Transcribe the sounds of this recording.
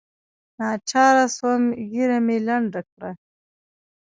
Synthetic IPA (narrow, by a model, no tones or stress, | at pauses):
nɑt͡ʃɑɾaswamɣiɾamelaɳɖakɽa